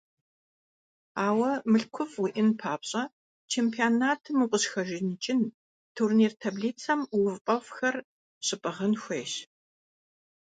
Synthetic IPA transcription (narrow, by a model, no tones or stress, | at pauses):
aːwɐmɨɬkʷʰʊfwiʔɪnpʰaːpɕʼɐ | t͡ʃʰeːmpʰianaːtʰɨmuqʷʼʊɕxɐʒɪnɨt͡ʃʼɪn | tʰurniːrtʰabɮiːt͡sʰɐmwʊvqʼɐfxɐr | ɕʼɪpʼɐʁɐnxʷeːɕ